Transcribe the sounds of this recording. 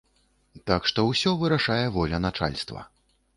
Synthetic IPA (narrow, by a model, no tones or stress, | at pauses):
t̪akʂt̪ɔwsʲɔvɨɾaʂajɛvɔlʲɐnat͡ʂa̰lʲst̪vɐ̰